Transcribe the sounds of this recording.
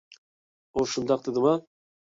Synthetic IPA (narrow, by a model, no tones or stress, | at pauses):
oʃʊnd̪ɑq̚d̪ɪd̪ɪma